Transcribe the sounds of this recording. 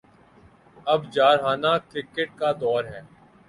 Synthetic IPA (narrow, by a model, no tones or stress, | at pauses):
ɐbd͡ʒaːɾɦaːnaːkɾɪkəʈ̚kad̪ɔːɾɦɛː